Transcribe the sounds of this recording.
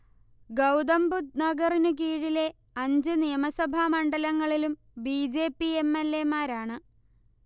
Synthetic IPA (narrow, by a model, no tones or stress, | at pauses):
ɡɐwd̪ɐmbut̪̚nɐɡɐrinɨkiːɻile̞ | ɐɲd͡ʑɨnijɐmɐsɐbʱamɐɳɖɐlɐŋːɐɭilum | biːd͡ʑe̞ːpːiemːelːe̞maːɾaːɳɨ